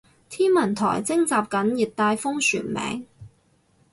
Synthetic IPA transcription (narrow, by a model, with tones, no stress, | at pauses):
t̪ʰiː˥nmɐ˨˩nt̪ʰɔ̰ː˨˩jt͡sɪ˥ŋt͡saː˨p̚kɐ˨˥njiː˨t̚t̪aː˧jfʊ˥ŋsy̰ː˨˩nmɛ̰ː˨˥ŋ